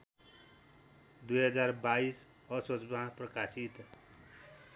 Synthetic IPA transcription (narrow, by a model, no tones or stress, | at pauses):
d̪ujɦʌd͡zarbais | ʌsot͡smãprʌkasit̪